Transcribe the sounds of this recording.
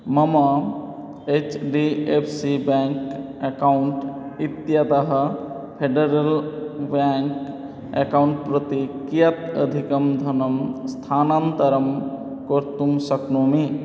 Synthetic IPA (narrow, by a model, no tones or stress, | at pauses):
məma | et͡ʃɖiepʰsibãŋkekauɳʈit̪jat̪əɦə | pʰeɖeɾelbãŋk | ḛkauɳʈ̚pɾət̪ikijat̪ə̰d̪ʱikəmd̪ʱənəmst̪ʰanant̪əɾəm | koɾt̪umsəknomi